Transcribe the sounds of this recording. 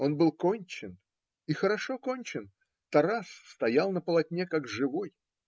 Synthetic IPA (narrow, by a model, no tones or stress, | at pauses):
o̞nbɨlˠko̞nʲt͡ɕɪn | ixəɾɐʂo̞ko̞nʲt͡ɕɪn | t̪ɐɾasst̪ɐjalˠnəpəlˠɐtʲnʲekaɡʐɨvo̞j